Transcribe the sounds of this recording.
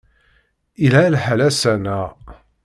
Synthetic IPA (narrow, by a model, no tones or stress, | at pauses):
ilalħælæsænæ